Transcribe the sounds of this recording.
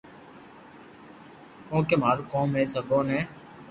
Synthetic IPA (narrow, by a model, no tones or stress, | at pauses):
kõːkeːmaːɾuːkõːmẽːsəɡʱoːnẽː